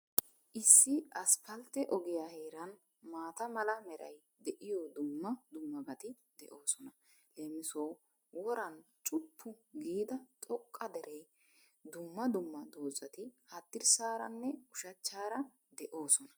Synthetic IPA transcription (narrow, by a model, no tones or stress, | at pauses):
ʔɪsːɪɐspɐlt̪ɛʔɔɡɪjaːhe̞ːɾɐn | maːt̪ɐmɐlɐmɛɾɐ̰j | d̪ɛʔɪjɔːd̪ʊmːɐd̪ʊmːɐbɐt̪ɪ | d̪̥ɛʔoːsɔnɐ | leːmɪsoː | wɔɾɐn | t͡ʃʼʊpʰːʊɡiːd̪ɐt̪ʼɔkʼːɐd̪ɛɾʔɛj | d̪ʊmːɐd̪ʊmːɐd̪oːzɐt̪ɪhɐt̪ːɪɾsaːɾɐ̰nːɛʊʃɐt͡ʃːaːɾɐ | d̪ɛʔoːsɔnɐ